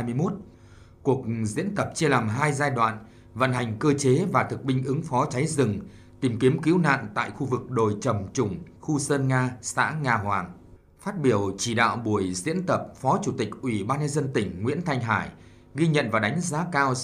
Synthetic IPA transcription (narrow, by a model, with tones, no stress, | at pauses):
jmɨ˧jmo˦˥t̚ | ku˨˩ək̚zḭ˧˥ənt̪ə˨˩p̚t͡ɕi˧əlaː˨˩mɦaː˧jzaː˧jɗwa̰ː˧˨n | və̰˧˨nɦa˨˩jŋ̟kəː˧t͡ɕe˨˦vaː˨˩t̪ʰɨ˨˩k̚ɓï˧ŋ̟ʔɨ˨˦ŋfɔ˨˦t͡ɕa˨˦jzɨ˨˩ŋ | t̪i˨˩mki˨˦əmkḭ˧˥wna̰ː˧˨nt̪a̰ː˧˨jxu˧vɨ˨˩k̚ɗo˨˩jt͡ɕə˨˩mt͡ɕʊ˧˩ŋ͡m | xu˧səː˧nŋaː˧sa̰ː˧˥ŋaː˧ɦwaː˨˩ŋ | faː˦˥t̚ɓi˧˩əwt͡ɕi˧˩ɗa̰ː˧˨wɓu˧˩əjzḭ˧˥ənt̪ə˨˩p̚fɔ˨˦t͡ɕu˧˩t̪ï˨˩k̚ʔwi˧˩ɓaː˧nɲə˧nzə˧nt̪ï˧˩ŋ̟ŋwḭ˧˥ənt̪ʰa˧jŋ̟ɦaː˧˩j | ɣi˧ɲə̰˧˨nvaː˨˩wɗa˨˦jŋ̟zaː˨˦kaː˧w